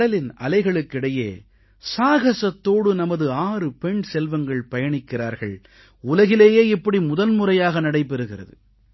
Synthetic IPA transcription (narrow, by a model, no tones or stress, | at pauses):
ɐlɪnɐ̰lɐɪɣɐɭɯkːɪɽɐjḛː | saːɣɐsɐt̪ːoːɽɯnɐmɐðɯaːrɯpɛɳsɛlʋɐŋɡɐɭpɐjɐɳɪkːɪra̰ːɾɣɐɭ | ʊlɐɣɪleːjeːɪpːɐɽimʊðɐnmʊrɐjaːɣɐnɐɽɐɪp̬ːɛɾɯɣɪrɐ̰ðɯ̰